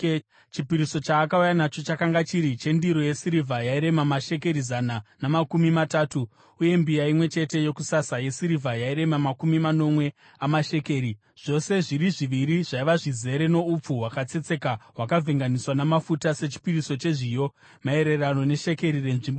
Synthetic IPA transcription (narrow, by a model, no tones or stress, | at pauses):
t͡ʃipiɾiso̞t͡ʃaːkaujanat͡ʃo̞t͡ʃakaŋɡat͡ʃiɾit͡ʃe̞ndiɾo̞je̞siɾivʱajaiɾe̞mamaʃe̞k̬e̞ɾizananamakumimataːtuː | je̞mbijaimwe̞t͡ʃe̞te̞jo̞kusasaje̞siɾivʱajaiɾe̞mamakumimano̞mwe | amaʃe̞ke̞ɾi | ʐ̥o̞se̞ʐiɾiʐiʋiɾiʐaiʋaʐize̞ɾeno̞up͡fuwakat͡se̞t͡se̞kaɦwakavʱeŋɡaniswanamafutase̞t͡ʃi̥piriso̞t͡ʃe̞ʐijo̞ | mae̞ɾe̞rano̞ne̞ʃe̞ke̞ɾire̞nʐimbo